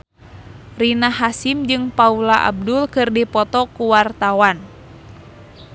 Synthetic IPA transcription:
rinaɦasimd͡ʒɨŋpaulaʔa̰b̚dʊlkɨrdipɔt̪ɔkuwart̪awan

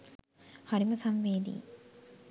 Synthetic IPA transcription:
haɽimɐsɐmʋeːd̪ḭː

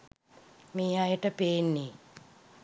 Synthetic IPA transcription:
miːajəʈəpeːnːi

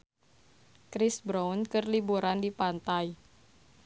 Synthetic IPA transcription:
kɾisbɾawnkərlibuɾandipant̪aj

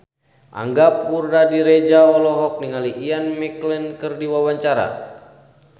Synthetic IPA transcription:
ʔa̰ŋɡap̚urdadiɾɛd͡ʒaɔlɔɦɔk̚niŋaliʔianmɛklɛnkɨrdiwawaɲt͡ʃaɾa̰

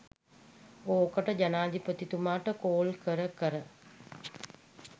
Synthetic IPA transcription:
oːkəʈəd͡ʒanaːd̪ipət̪it̪umaːʈəkoːlkəɾəkəɾə

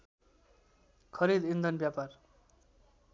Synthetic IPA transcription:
kʰʌɾid̪ind̪ʱʌnbjapar

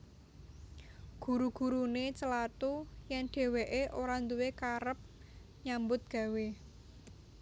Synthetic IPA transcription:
ɡ̥ṳɾuɡ̥ṳɾunet͡ʃəlat̪ujɛnɖ̥e̤weʔeʔoɾand̪uwekaɾəp̚ | ɲambʊt̪̚ɡ̥ä̤we

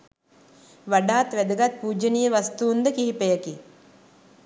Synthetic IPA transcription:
ʋaɖaːt̪ʋæd̪ɐɡat̪̚puːd͡ʒənijəʋast̪uːnd̪əkiɦipejəki

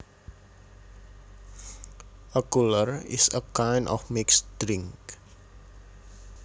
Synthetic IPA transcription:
ʔəkulərɪ̰səkajnʔɔ̰fmɪksdɾɪŋk

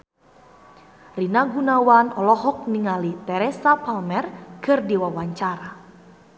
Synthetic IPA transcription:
rinaɡunawanɔlɔɦɔk̚niŋalit̪ɛɾɛsapalmɛrkɨrdiwawaɲt͡ʃaɾa

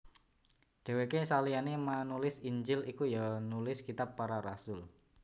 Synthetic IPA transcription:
ɖ̥e̤wekesalianemanulɪsiɲd͡ʒɪlikujanulɪskit̪apːaɾaɾasʊl

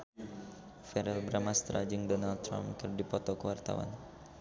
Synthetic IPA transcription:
fɛɾɛlbɾamast̪ɾa̰d͡ʒɨŋdɔnald̚t̪ːɾa̰mkɨrdipɔt̪ɔkəwart̪a̰wa̰n

